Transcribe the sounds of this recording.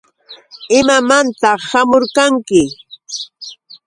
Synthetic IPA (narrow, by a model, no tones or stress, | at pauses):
ɪmamant̪ɑχʃamoʊɾkaŋkɪ